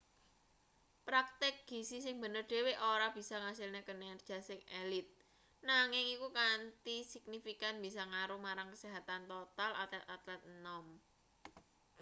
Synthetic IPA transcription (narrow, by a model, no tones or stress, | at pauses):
pɾak̚t̪ɪk̚ɡ̥i̤sisɪŋbə̤nərd̪̥e̤weʔoɾab̥i̤saŋasɪlnekənɛrd̥ʒ̥a̤sɪŋelɪt̪̚ | naŋɪŋikukant̪isik̚nifikanb̥isaŋaɾumaɾaŋkəseɦat̪ant̪ot̪alʔa̰t̪ɛt̪at̪lɛt̪̚nɔm